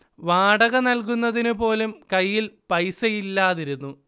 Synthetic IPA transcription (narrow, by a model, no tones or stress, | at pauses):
ʋaːɽɐɣɐnɐlk̬unːɐðinupo̞ːlumkɐjːilpɐjsɐjilːaːðiɾunːu